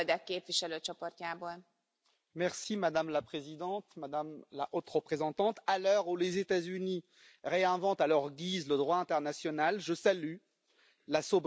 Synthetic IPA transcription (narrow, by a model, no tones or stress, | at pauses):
d̪ɛkːeːpviʃɛløːt͡ʃɔport̪jaːboːl | mɛʁsimad̪amlapχezid̪ɑ̃t̪mad̪amlaʔot̪χəpχezɑ̃t̪ɑ̃t̪alœʁulezet̪azyni | ʁeɛ̃vɑ̃t̪alœʁɡʲizləd̪ʁwaɛ̃t̪ɛʁnasjɔnalʒəsaly | lasob